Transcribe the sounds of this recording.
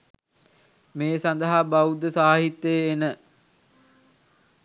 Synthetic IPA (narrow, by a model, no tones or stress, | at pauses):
meːsand̪əɦabaud̪əsaːɦit̪ːəːnə